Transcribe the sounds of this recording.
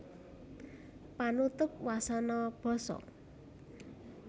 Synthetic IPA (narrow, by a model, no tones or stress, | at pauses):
panut̪ʊp̚wasanɔb̥ɔ̤sɔ̰